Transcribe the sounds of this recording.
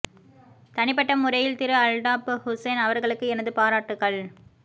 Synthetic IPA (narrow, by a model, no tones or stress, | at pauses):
t̪ɐnɪp̬ːɐʈːɐmːʊɾɐjɪlt̪ɪɾɯɐlɖaːphʊsɐnɐʋɐɾɣɐɭɯkːɯɛnɐðɯpaːɾaːʈːɯɣɐɭ